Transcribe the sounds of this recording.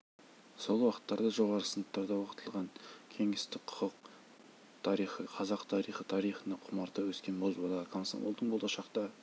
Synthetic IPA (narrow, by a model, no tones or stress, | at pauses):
so̞lˠwɑqə̥t̪ːɑɾd̪ɑʒo̞ʁɑɾəsənət̪ːɑɾd̪ɑwoqət̪ʰəlˠʁɑŋkʲʰe̞ŋɪst̪ɪk̚qʰʊ̥qəq̚ | t̪ʰɑɾijχəqʰɑzɑqt̪ʰɑɾijχət̪ʰɑɾijχənəqʰʊmɑɾt̪ɑwɵskʲe̞nbolˠbolˠɑkʰonso̰mo̰lˠd̪əɴbolˠɑʃɑqt̪ɑ